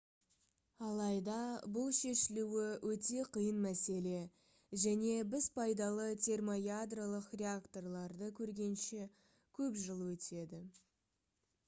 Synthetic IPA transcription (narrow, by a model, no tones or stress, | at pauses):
ɑlˠɑjd̪ɑbʊlˠʃe̞ʃɪluwɪwɵt̪e̞qʰijənmæse̞le̞ | ʒæne̞bɪzpʰɑjd̪ɑlˠət̪ʲʰe̞rmo̞jad̪rolˠəqrʲe̞akt̪o̞rlˠɑɾd̪əkʲʰɵɾɡʲe̞nʃe̞ | kʲʰɵpʒəlˠwɵt̪ʰe̞d̪ɪ